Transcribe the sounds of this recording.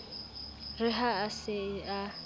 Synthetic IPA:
rɪɦaːsɪa

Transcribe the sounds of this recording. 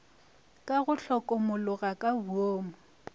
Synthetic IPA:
kʼaɣʊɬɔkʼɔmʊlʊɣakʼabuoːmʊ

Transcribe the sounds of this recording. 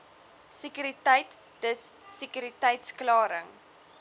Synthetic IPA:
sikyɾitəjt | dəssikyɾitɛjtsklɑːɾəŋ

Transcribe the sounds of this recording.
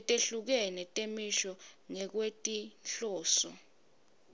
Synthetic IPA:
ɛtʼeɬuk̬ɛnɛtʼemiʃɔŋɛk̬wetʼinɬɔːsɔ

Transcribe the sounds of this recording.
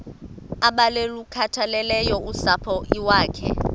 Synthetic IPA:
aɓalelukʰatʰalɛlɛjɔʔusapʰɔʔiwaːkʰɛ̰

